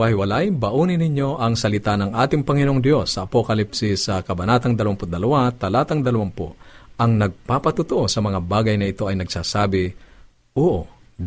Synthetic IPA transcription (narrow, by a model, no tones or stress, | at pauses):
wahɪwɐlajbɐʔuːnɪnɪɲjo̞ʔɐŋsɐlɪt̪anɐŋʔaːt̪ɪŋpɐŋɪnoʔoŋd̪jo̞sːɐʔːpokɐlipsɪsɐkɐbɐnaːt̪ɐŋd̪ɐlɐwampʊd̪ɐlɐwat̪ɐlaːt̪ɐŋd̪ɐlɐwampo̰ɐŋnɐɡ̚paːpɐt̪ʊt̪ʊʔo̞sɐmɐŋabaːɡɐjnɐɪt̪o̞ɐjnɐɡsaːsaːbɪ | ʔoːʔo